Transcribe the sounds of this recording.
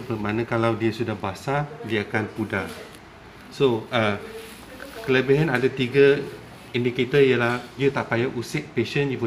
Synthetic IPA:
bəmãnãkalawdiasudahbasadiaakanpuda | soʔə | kələbiɦanadat̪iɡa | indiket̪əiəlahjət̪aʔpajaʔusɪʔ̚peʃənjupu

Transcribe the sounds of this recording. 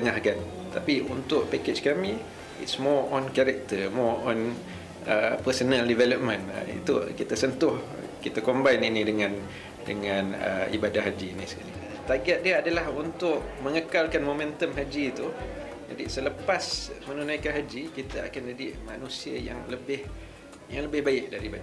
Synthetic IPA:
t̪əŋahkan | t̪apiunt̪ʊʔpaket͡ʃkamĩ | ḭtsmɔɔnkaɾɛk̚t̪əmɔɔn | əpəsənaldivɛləp̚mə̃nə̰ḭt̪ṵkit̪asənt̪ʊh | kit̪akombajninidəŋãn | dəŋãnə̰ḭbadaɦad͡ʒinisə̥kali | t̪aɡaʔ̪̚diaadalaɦunt̪ʊʔ̚məŋəkalkanmomɛ̃nt̪əmɦad͡ʒit̪u | d͡ʒa̰disələpasmənunãjkanɦad͡ʒikit̪aa̰kandədima̰nũsiə̰ja̰ŋləbɪh | jaŋləbɪhbaɪʔ̚daɾibada

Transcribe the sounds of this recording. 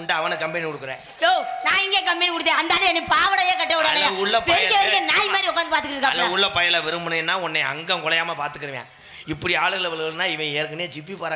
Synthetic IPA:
ɳɖaɐʋɐnɯkɐmpɐnikɔɽɯkːɯɾḛ̃ː | joːnãːɪŋɡeːkɐmpɛnikɔɽɯt̪̬ːẽːɐnd̪aːlɯɛnːipaːʋɐɽɐjeːkɐʈːɐʋɪɽɐːlɐʊɭːɐpɛɐkeʋɐkːẽnaːɪmaːdɾiɔkːaːnd̪ɯpaːɾt̪ɯkːɪɪɾɯkːaːlɐʊɭːɐpɐjɐlɐʋɛɾɯmbɯnɐjnːaːɔnːɛɪɐ̰ŋɡɐ̃kɔlɐjaːmɐpaːɾt̪ɯkːɪɾɯʋjḛ̃ː | ɪpːɐɽiaːɭɐɐlɐʋɐɭɣɐlɯnaːɪʋɐ̃eːɾkːɐɳeːd͡ʒipipɐːɾa

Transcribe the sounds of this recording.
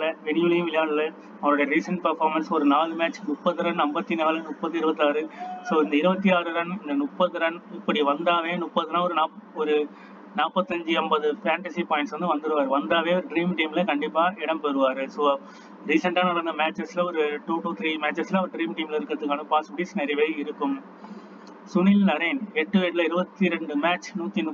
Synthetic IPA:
lɐʋɛɳjuːlɐjʊ̃ʋɪljaːɽlɐ | ɐʋɐnɯɽɐjɐɾiːsɐɳʈpɐɾfaːɾmɐnsɔɾɯnaːlɯmaːt͡ʃːmʊpːɐðːɯɾɐɳɛmbɐt̪ːinɐɣɐlɐnʊpːɐt̪ːiɪɾɯbɐt̪ːɯaːɾɯsoːɪnd̪ɐɪɾɯbɐt̪ːiaːɾɯɾɐnɪnd̪ɐnʊpːɐðɯɾɐnɪpːɐɽiʋɐnd̪aːʋeːnʊpːɐðɯnãːɔɾɯnaːɔɾɯ | naːpːɐt̪ːɐɲd͡ʒɯɛmbɐðɯfaːɳʈɐsipaːjɪɳʈsʋɐnd̪ɯʋɐnd̪ɯɾɯʋaːɾɯʋɐnd̪aːʋeːɔɾɯɖɾiːmʈiːmɪlɐkɐɳɖɪpːaːɪɽɐmpɛɾɯʋaːɾɯsoː | ɾiːsɐɳʈaːnɐɽɐɾɯnd̪ɐmaːt͡ʃːɛslɐɔɾɯʈuːʈuːt̪ʰɾiːmaːt͡ʃːɛsɪlɐɔɾɯɖɾiːmʈiːmɪlɐɪɾɯkːɯɾɐðɯkːaːnɯ̃paːspɐɽiːsnɛɾɐjɐʋeːɪɾɯkːɯm | sʊnɪlnɐɾɐnɛʈːɯeɾlɐɪɾɯbɐt̪ːiɾɛɳɖɯmaːt͡ʃnuːt̪ːinʊ

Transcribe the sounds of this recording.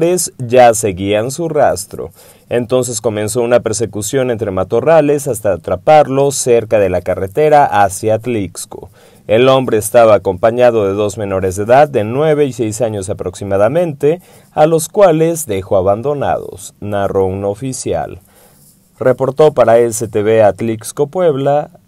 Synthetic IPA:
ɾezʝase̞ɣiansurast̪ɾo̞̰ | e̞nt̪o̞ns̬e̞sko̞mẽ̞nso̞unape̞ɾs̬e̞kusjo̞ne̞nt̪ɾe̞mat̪o̞rale̞sast̪aːt̪ɾapaɾlo̞se̞ɾkaðe̞lakare̞t̪e̞ɾaʔasjat̪liksko̰ | e̞lo̞mbɾe̞ːst̪aβaːko̞mpaɲað̞o̞ðe̞ðo̞zmẽ̞no̞ɾe̞zðeðad̪ːe̞nwe̞βe̞isejsaɲo̞sapɾo̞ksimað̞amẽ̞nt̪e̞ | alo̞skwale̞zðexo̞aβand̪o̞na̰ðo̰snaro̞uno̞fisja̰l | repo̞ɾt̪o̞paɾaeset̪eβeat̪liksko̞pwe̞βla

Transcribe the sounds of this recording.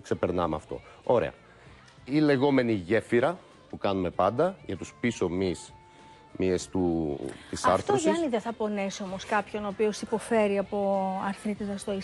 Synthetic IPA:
kse̞peɾnɐmeɐ̰ft̪o̞̰ | o̞ɾe̞̰ɐ̰ | ile̞ɣo̞me̞niʝe̞fiɾɐ | pukɐnume̞pɐnd̪ɐʝɐt̪uspiso̞mis | miest̪ut̪isɐɾθosɐniðeθɐpo̞neso̞mo̞skɐpço̞no̞ːpio̞sipo̞fe̞ɾiɐpo̞ɐɾθɾit̪iðɐst̪oi

